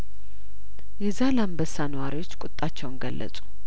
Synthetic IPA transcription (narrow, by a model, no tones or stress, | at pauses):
jɛzalambəsanəwaɾiwo̞t͡ʃːkʼʊt̪ʼːat͡ʃːɛwnɡəlːə̰sʼu̥